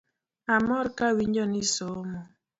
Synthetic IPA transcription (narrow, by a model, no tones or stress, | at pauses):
amɔɾkawiɲd͡ʒɔnisomɔ